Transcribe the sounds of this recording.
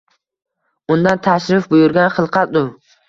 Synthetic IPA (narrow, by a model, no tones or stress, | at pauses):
ʊnd̪ant̪ʰaʃɾɪfbʊjʊɾɡʲanχɨlˠqʰɑt̪̚d̪ʊ